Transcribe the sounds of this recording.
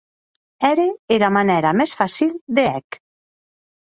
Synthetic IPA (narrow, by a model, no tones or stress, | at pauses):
ɛɾeeɾamanɛɾamɛsfasild̪eɛk